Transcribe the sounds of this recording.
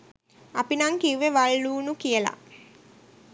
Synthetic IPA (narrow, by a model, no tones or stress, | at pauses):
apinaŋkiuʋeʋaɭːuːnukijəla̰